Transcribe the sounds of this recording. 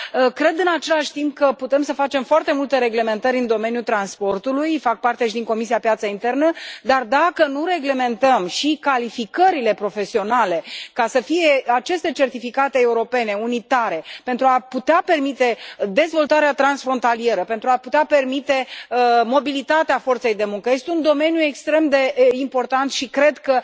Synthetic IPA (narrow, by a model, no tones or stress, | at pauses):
əkɾe̞d̪ɨnat͡ʃe̞laʃʲt̪imp̚kəput̪e̞msəfat͡ʃe̞mfoart̪e̞mult̪e̞ɾe̞ɡle̞me̞nt̪əɾʲɨnd̪o̞me̞njut̪ɾanspo̞rt̪ulujfak̚part̪e̞ʃid̪iŋko̞misiapjat̪səint̪e̞rnəd̪ard̪akənuɾe̞ɡle̞me̞nt̪əmʃikalifikəɾile̞pɾo̞fe̞sio̞nale̞kasəfie̞at͡ʃe̞st̪e̞t͡ʃe̞rt̪ifikat̪e̞ːuɾo̞pe̞ne̞unit̪aɾe̞pe̞nt̪ɾuaput̪eape̞rmit̪e̞d̪e̞zvo̞lt̪aɾeat̪ɾansfɾo̞nt̪alije̞ɾəpe̞nt̪ɾuaput̪eape̞rmit̪e̞əmo̞bilit̪at̪eafo̞rt̪se̞jd̪e̞muŋkəje̞st̪eund̪o̞me̞njue̞kst̪ɾe̞md̪e̞impo̞rt̪ant̪ʃikɾe̞d̪kə